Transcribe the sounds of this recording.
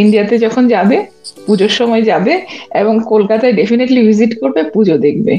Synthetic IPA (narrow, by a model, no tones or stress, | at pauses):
iɳɖijat̪ed͡ʑɔkʰond͡ʑabe | pud͡ʑoɾʃɔmɔed͡ʑabeeboŋkolkat̪aeɖefineʈliviziʈkoɾbepud͡ʑod̪ek̚ʰbḛ